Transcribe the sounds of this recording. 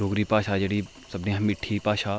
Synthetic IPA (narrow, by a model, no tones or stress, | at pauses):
oːɡɾipaːʃad͡ʒɐɽi | sɐbneɦɐmɪʈʰːipaːʃaː